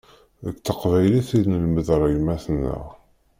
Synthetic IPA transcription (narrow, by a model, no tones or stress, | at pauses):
əkːθəqvæjliθinəlməðɾˤəɡmæθənːə̰ʁ